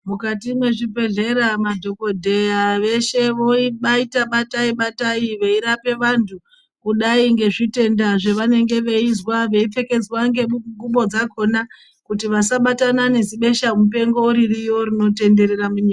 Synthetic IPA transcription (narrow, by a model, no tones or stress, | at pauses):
mukatimwe̞ʐipe̞ɮe̞ɾamadʱo̞ko̞dʱe̞jaʋe̞ʃe̞ʋo̞iɓaitaɓataiɓataiʋeiɾape̞ʋantʰu | kuɗaiŋɡe̞ʐite̞ndaʐe̞ʋane̞ŋɡe̞ʋe̞izwaʋe̞ip͡fe̞ke̞d͡zwaŋɡe̞uŋɡuɓo̞d͡zakʰo̞na | kutiʋasaɓatanane̞ziɓe̞ʃamupe̞ŋɡo̞uɾirijo̞ɾino̞te̞nde̞ɾeramuɲiːka